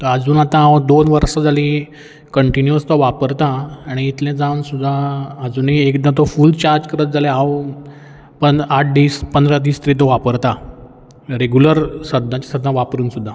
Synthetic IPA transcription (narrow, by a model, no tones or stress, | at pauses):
t̪əəd͡zuːnat̪ãawd̪onʋəɾʂad͡zalĩ | kəɳʈinjəst̪ɔʋapəɾt̪ãːɽ̃iːt̪lɛ̃d͡zãwnsud̪ʱːaəd͡zuːniekd̪ãt̪̬ɔfult͡ɕaɾd͡ʑkəɾət̪̚d͡zalɛ̃aw | pənaʈ̚ʰɖiːspənd̪ɾəd̪iːst̪əɾit̪̬ɔʋapəɾt̪a | ɾeɡjuləɾsəd̪nãt͡ɕasəd̪nãʋapɾuːnsud̪ʱːa